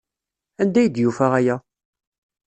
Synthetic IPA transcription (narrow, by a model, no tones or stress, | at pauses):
ænd̪æjəd̪jufæʁæjæ